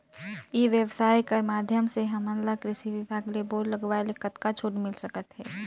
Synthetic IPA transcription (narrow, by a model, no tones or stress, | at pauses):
jeʋjəʋsaːjkəɾmaːd̪ʱjəmseɦɐmənlakɾɪʃiʋɪbʱaːɡleboːɾləɡʋaelekət̪kat͡ʃʰoːʈmɪlsəkət̪ɦɛː